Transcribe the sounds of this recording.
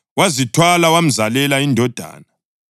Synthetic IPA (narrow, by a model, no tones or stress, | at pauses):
wazitʰwalawam̩zalɛlaindʱɔd̥ʱa̰ːna